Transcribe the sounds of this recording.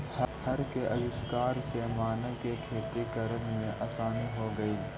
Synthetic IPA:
hɐhɐɾkeʔɐʋɪskaːɾsemaːnekekʰeːt̪ikɐɾənmẽʔɐːsaːniɦoɡɐiː

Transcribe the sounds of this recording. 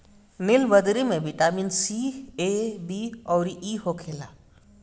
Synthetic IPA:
nɪlʋəd̪ɾimẽʋɪʈaːmiːnsiːeːbiːɔːɾiʔiːɦokʰeːlaː

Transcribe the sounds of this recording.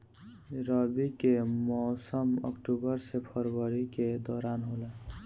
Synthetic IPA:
ɾəbikemɔːsəmə̰kʈubəɾsepʰəɾwəɾiked̪ɔːɾaːnɦoːlɛ

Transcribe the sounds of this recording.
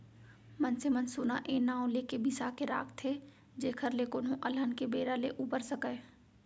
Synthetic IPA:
mənsemənsʊnaʔeːnãːõleːkebisakeɾa̰ːkʰt̪ʰe | d͡ʒeːkʰəɾlekʊnɦõʔɐlɦənkebeːɾaleʔuːpəɾsəkəe

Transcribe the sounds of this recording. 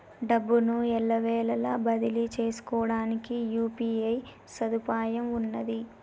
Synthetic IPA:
ɖɐbːunuɛɭːɐʋɛːlɐlaːbɐd̪ilit͡ʃe̞ːsu̥kɔːɽaːnikijuːpiːɐj | sɐd̪upaːjɐmunːɐd̪i

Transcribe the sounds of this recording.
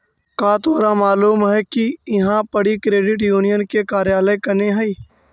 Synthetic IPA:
kaːt̪ʰoːɾamaːluːmɦɛkiɪɦãpɐɽikɾeːɖɪʈ̬juːnijənkekaːɾjaːləekɐneɦɐiː

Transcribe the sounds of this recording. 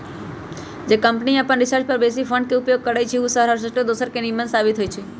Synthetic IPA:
d͡ʒekəmpniapə̃ɳɾɪsaɾt͡ʃpəɾbes̬ifʰəɳɖkeupjoɡ̚kəɾajt͡ʃʰeusəɦɾɦaɾsəsʈod̪osəɾkenimənsabit̪ɦojt͡ʃʰe

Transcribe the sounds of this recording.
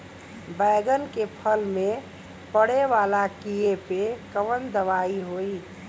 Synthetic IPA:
baɪɡənkepʰəlme | pəɽeʋalakiepekəʋənd̪əʋaiɦoi

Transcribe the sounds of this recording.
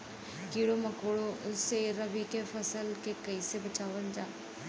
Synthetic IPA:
kiːɽoməkoːɽoʊseɾəʋikefʰəsəlkekəisebət͡ʃaːʋənd͡ʒaː

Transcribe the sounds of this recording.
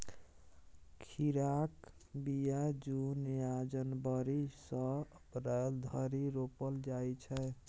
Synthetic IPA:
kʰiɾak | bijad͡ʒunjad͡ʒənbəɾisə̃ | ɾəld̪ʱəɾiɾopəld͡ʒajt͡ʃʰɛ

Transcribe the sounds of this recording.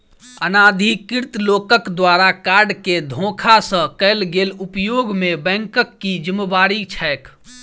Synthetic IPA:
ənaːd̪ʱikɪɾt̪loːkəkd̪waɾakaɾɖked̪ʱõkʰasə̃kəɪlɡeːlupjoɡmebɛ̃ŋkəkːid͡ʒəmeʋaːɾit͡ʃʰɛːk

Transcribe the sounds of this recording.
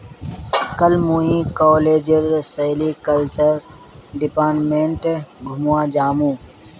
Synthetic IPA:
kəlmuːĩkɔːleːd͡ʒəɾsəɪlikəlt͡ʃəɾ | ɖɪpaːɾʈmẽɳʈɡʱʊmuãːd͡ʒaːmuː

